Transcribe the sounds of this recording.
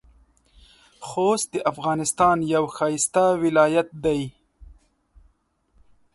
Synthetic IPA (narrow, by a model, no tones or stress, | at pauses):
xost̪̚d̪əʔafɣɑːnɪst̪ɑːnjawxɑːjɪst̪awɪlɑːjat̪̚d̪aj